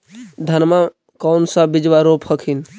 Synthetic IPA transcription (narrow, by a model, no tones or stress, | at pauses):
d̪ʱənma | kɔːnsabɪd͡ʒʋaɾoːphəkʰin